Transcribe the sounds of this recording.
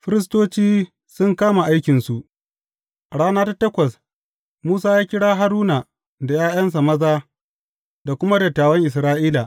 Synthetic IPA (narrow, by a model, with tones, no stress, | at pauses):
ɸɪ˦ɾɪ˦s̬toː˦t͡ʃiː˦ | sʊ˦ŋkaː˦ma˨ʔa˦jkʲɪ˨nsu˨ʔ | ɽaː˦naː˦ta˦tɐ˦kʷɐ˨s | muː˦saː˦jaː˦kʲɪ˦ɽaː˦ɦa˦ɾuː˦na˨ | da˨jaː˦j̰ɐ˦ns̬a˨mɐ˦zaː˦ | da˨kʷʊ˦ma˦da˨taː˨wɐ˦ŋʔɪ˨s̬ɾaː˦ʔiː˦la˨ʔ